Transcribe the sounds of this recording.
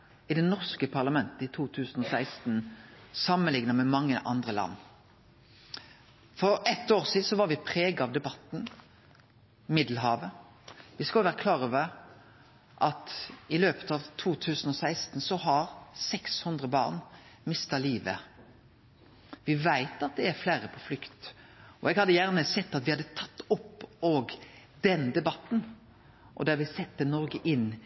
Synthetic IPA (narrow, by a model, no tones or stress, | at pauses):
ɪd̪ɛnɔʁskəpʰɑʁlɑmɛnt̪əɪt̪ʰuːt̪ʰʉːsn̩ɔsæɪst̪n̩sɑmənlɪŋnəmɛmɑŋːəʔɑ̰nd̪ʁəlɑ̰nː | fɔɾɛt̪ːoːʁsiːd̪̩sɔʋɑʁʋɪpʰʁeːɡɑʋd̪ɛbɑt̪n̩ | mɪd̪l̩ɦɑːʋə | ʋɪskɑlʋæːʁəkʰlɑːʁøːʋəʁ | ʔɑt̪ɪløːpə̥t̪ɑʋt̪ʰuːt̪ʰʉːsən̩ɔsæɪst̪n̩sɔhɑʁsɛkshʉnd̪ʁəbɑ̰ːʁnmɪst̪ɑliːʋə̰ | ʋɪʋæɪt̪ɑt̪̚d̪ɛæɾflæːɾəpʰɔflʏkt̪ | ɔɛɡhɑd̪ːəjæʁnəsɛt̪ːɑt̪ʋɪhɑd̪ːət̪ʰɑt̪ːʊpːoːɡd̪ɛnd̪ɛbɑt̪ːn̩ | ʔɔ̰d̪æɾʋɪsɛt̪ːənɔɾɡəʔɪn